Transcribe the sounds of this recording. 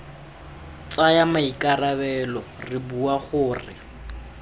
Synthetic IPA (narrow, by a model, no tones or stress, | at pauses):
t͡sʼajamaikarabɛlɔ | rɪbuaχʊːrɪ̰